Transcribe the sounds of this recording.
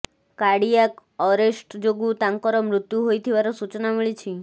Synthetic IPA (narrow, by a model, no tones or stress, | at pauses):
kaɽijakɔɾesʈd͡ʒoɡut̪aŋkɔɾɔmɾʊt̪juɦojt̪ʰiʋaɾɔsut͡ʃnamiɭit͡ʃʰi